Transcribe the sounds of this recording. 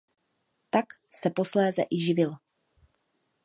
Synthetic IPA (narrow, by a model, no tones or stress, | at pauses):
t̪ak | sɛpo̞slɛːzɛ̰ʔɪʒɪvɪl